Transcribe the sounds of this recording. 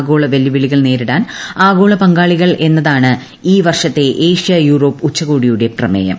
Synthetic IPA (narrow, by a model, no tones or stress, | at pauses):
ɡoːɭɐʋelːjiʋiɭiɣɐɭne̞ːɾiɽaːnaːɡo̞ːɭɐpɐŋɡaːɭiɣɐɭʔe̞nːɐðaːɳɨ | iːʋɐrʂɐt̪ːe̞ʔeːʂijɐjuːɾo̞ːpːut͡ɕːɐɣoːɽijuɽe̞prɐmḛːjɐ̰m